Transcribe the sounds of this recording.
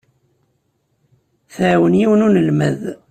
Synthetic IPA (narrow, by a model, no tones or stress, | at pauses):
θəwənjiwnunəlmə̰ð